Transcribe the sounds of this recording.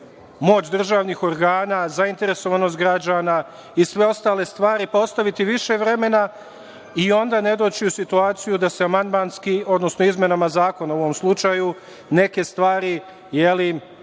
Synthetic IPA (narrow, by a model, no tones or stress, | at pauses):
mo̞ːt͡ɕd̪r̩ʒaːʋniːxo̞ɾɡaːnazaint̪e̞ɾe̞so̞ʋano̞st̪̚ɡɾad͡ʑaːna | isʋe̞o̞st̪aːle̞st̪ʋaːɾipo̞st̪aʋit̪iʋiʃe̞ʋɾe̞me̞na | io̞nd̪ane̞d̪o̞ːt͡ɕiusit̪uaːt̪sijud̪aseamand̪manskio̞d̪no̞sno̞izmʲje̞namazaːko̞naoʋo̞mslˠut͡ʃaju | ne̞ke̞st̪ʋaːɾi | jeli